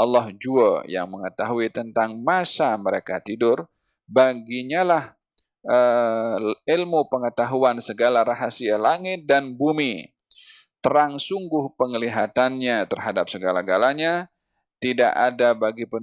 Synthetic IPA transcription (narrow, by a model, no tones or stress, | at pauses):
ɑlːɔhd͡ʒuəja̰ŋməŋət̪aɦuit̪ənt̪aŋmasaməɾekat̪idʊr | baɡiɲalah | ə | ɪlmupəŋət̪aɦuansəɡalaɾaɦasialaŋɪt̪̚danbumi | t̪əɾaŋsuŋɡʊhpəŋəliɦat̪anɲat̪ərɦadap̚səɡalaɡalaɲa | t̪ida̰ʔadabaɡipə